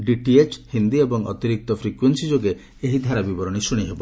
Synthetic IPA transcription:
ɖiʈiet͡ʃhind̪iebɔŋɔ̰t̪iɾik̚t̪ɔpʰɾikwensid͡ʒoɡe | eɦid̪ʱaɾabibɔɾɔɽ̃isuɽ̃iɦebɔ

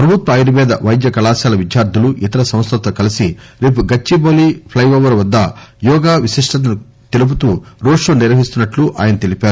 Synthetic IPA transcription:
pɾɐbʱut̪ʋɐːjɾimɛːd̪ɐʋɐjd̪jɐkɐlaːsjaːlɐʋid͡ʒjaːɾd̪ʱuluʔit̪ɐɾɐsɐ̃m̃st̪ɐt̪ʋɐkɐlisiɾeːpuɡɐt͡ʃːiboːlipʰlɐjʋoːʋɐɾʋɐd̪ːɐjɔːɡaːʋiʃiʂʈɐnɐnu | t̪elup̬ut̪uːɾoːʂoːniɾʋɐɦist̪unːɐʈluʔa̰ːjɐnɐt̪e̞lipaːɾu

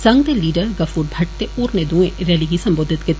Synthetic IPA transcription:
sɐ̃ŋɡd̪eliːɖəɾɡɐfuːɾbʱɐʈ̚t̪euːɾned̪ũẽɾɛːliɡisɐ̃mboːd̪ʱɪt̪ke

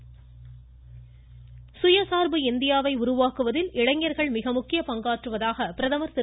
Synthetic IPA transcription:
sʊjɐsaːɾbɯɪnd̪ɪjaːʋɐɪʊɾʊʋaːkɯʋɐðɪlɪɽɐŋjɐɾɣɐɭmɪɣɐmʊkːɪjɐpɐŋɡaːʈrɯʋɐðaːɣɐpɪɾɐðɐmɐɾt̪ɪ

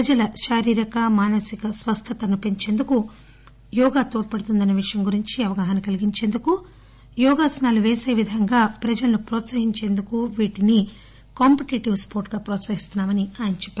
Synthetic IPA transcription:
pɾɐd͡ʒɐlɐʃaːɾiːɾɐkɐmaːnɐsikɐsʋɐst̪ʰɐt̪ɐnupe̞ɲt͡ʃe̞ːnd̪uku | jɔːɡaːt̪oːʈ̚pɐɽut̪und̪ɐnːɐʋiʂɐjɐmɡuɾiɲt͡ʃiɐʋɐɡaːɦɐnɐkɐliɡiɲt͡ʃe̞ːnd̪uku | jɔːɡaːsɐnaːluʋeːseːʋid̪ʱɐŋɡaːpɾɐd͡ʒɐlɐnupɾɔːt̪sɐɦiɲt͡ʃe̞ːnd̪ukuʋiːʈini | kaːmpiʈiʈiʋspoːɾʈɡaːpɾɔːt̪sɐɦist̪unːaːmɐniaːjɐnɐt͡ʃɛpːa

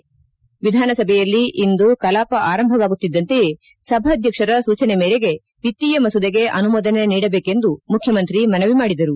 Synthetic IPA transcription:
ʋid̪ʱaːnɐsɐbʱɛjɐlːiʔind̪ukɐlaːpɐʔaːɾɐmbʱɐʋaːɡut̪ːid̪ːɐnt̪eje̞ | sɐbʱɐd̪ʱjɐkʂɐɾɐsuːt͡ʃɐnemeːɾeɡe̞ | pit̪ːijɐmɐsud̪ɐɡe̞ʔɐnumoːd̪ɐneniːɽɐbeːke̞nd̪umukʰjɐmɐnt̪ɾimɐnɐʋimaːɽid̪ɐɾu

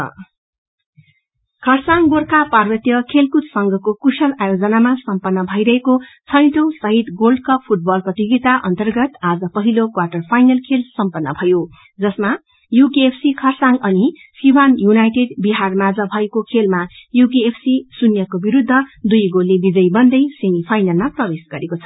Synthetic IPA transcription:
kʰʌrsaŋɡorkaparbʌt̪jʌkʰelkut̪sʌŋɡʱʌkokusʌlajod͡zʌnamasʌmpʌnːʌbʱʌjɾʌɦekot͡sʰʌjʈosʌɦit̪ɡolɖ̚kʰʌp̚pʰuʈ̚bʌlprʌt̪jiɡit̪aʔʌnt̪ʌrɡʌt̪ad͡zʌpʌɦilokwaʈʌrpʰajnʌlkʰelsʌmpʌnːʌ̰bʱʌjo | d͡zʌsma | jukiepʰsikʰʌrsaŋʌni | siwanjunajʈeɖbiɦarmad͡zʌbʱʌekokʰelmajuk̬iepʰsisunjʌkobiɾud̪ʱːʌd̪ujɡolːebid͡zʌjbʌnd̪ʌjsemipʰajnalmaprʌbesɡʌɾekot͡sʰʌ̥

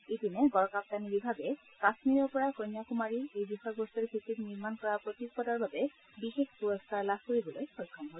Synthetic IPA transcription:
etineɡɔɹɔkap̚t̪anibibʱabe | kasmiɾepɔɹakɔnjakumaɹiejbixɔjɔɡbost̪eɹkʰit̪it̪niɹmankɔɹapɹot̪ik̚pɔdaɹbabe | bixexpuɹoskaɹlabʱkoɹibolojxojkʰːɔmɦɔ

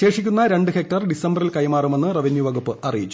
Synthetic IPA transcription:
e̞ːʂikʲːunːɐɾe̞ɳɖɨhek̚ʈɐrɖisɐmbɐrilkɐjmaːrume̞nːɨrɐʋinjuʋɐɣupːɨʔɐrijit͡ɕːu

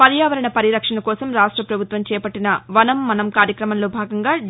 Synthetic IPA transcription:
pɐɾjaːʋɐɾɐɳɐpɐɾiɾɐkʂɐɳɐkɔːsɐmɾaːʂʈɾɐpɾɐbʱut̪ʋɐmt͡ʃɛːpɐʈːinɐʋɐnɐmːɐnɐmkaːɾjɐkɾɐmɐnlo̞ːbʱaːɡɐŋɡaː

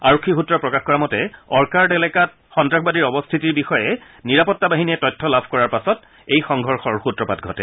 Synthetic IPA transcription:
aɹɔkʰːixutɹɔpɹɔkaxkɔɹamɔtɛɔɹkaɹdɛlɛkat̚ | xɔntɹaxbadiɹɔbɔstʰitiɹbixɔjɛ | niɹapɔtːabaɦiniɛtɔjtʰːɔlabʱkɔɹaɹpasɔt | ejxɔŋɡʱɔɹxɔɹxutɹɔpat̚ɡʱɔ̰tɛ̰

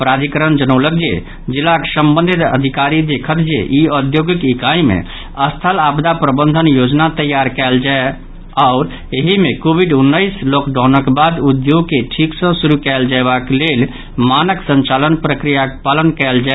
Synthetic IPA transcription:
pɾad̪ʱikəɾənd͡ʒənələk̚d͡ʒḛ | d͡ʒilːaksəmbənd̪ʱit̪ə̰d̪ʱikaɾid̪ekʰət̪d͡ʒḛʔiəd̪joɡikikaimḛ | əst̪ʰəlabd̪apɾəbənd̪ʱənjod͡ʒnat̪əjːaɾkɛld͡ʒae | aʊɾ | eɦimekobʱiɖunːəɪslokɖʱɔ̃nəkbad̪ud̪joɡ̚keʈʰiksə̃suɾukɛld͡ʒaebaklel | manəksə̃nt͡ʃalənpɾəkɾijakpalənkɛld͡ʒa

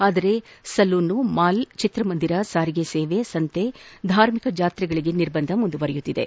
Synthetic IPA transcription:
aːd̪ɐɾe̞sɐlːuːnːumaːlt͡ʃit̪ɾɐmɐnd̪iɾɐsaːɾiɡeseːʋesɐnt̪ed̪ʱaːɾmikɐd͡ʒaːt̪ɾɛɡɐɭiɡe̞niɾbɐnd̪ʱɐmund̪uʋɐɾɛjut̪ːid̪ḛ

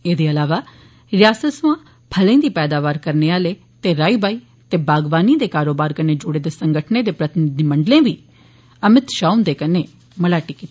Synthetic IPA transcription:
eːd̪eːɐlaːʋaː | ɾɪjaːsəsʋã | pʰələ̃ːd̪iːpɛːd̪aːʋaːɾkəɾneaːleː | t̪eːɾaːibaːiː | t̪eːbaːɡʋaːniːd̪eːkaːɾoːbaːɾkəneːd͡ʒʊɽeːd̪eːsə̃ŋɡəʈʰneːd̪eːpɾət̪ɪnɪd̪iməɳɖlẽːbiː | əmɪt̪ʃaːund̪eːkəneː | məlaːʈikit̪i

